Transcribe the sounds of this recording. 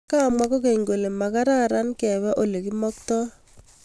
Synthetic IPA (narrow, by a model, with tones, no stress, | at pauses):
ka˦˨mwa˦ko˦ke˨ŋɡo˨le˨ma˨ka˦ɾa˦˨ɾa˦nkɛ˨βɛ˦ʔo˦le˨ki˦mɔ˦k̚tɔ˦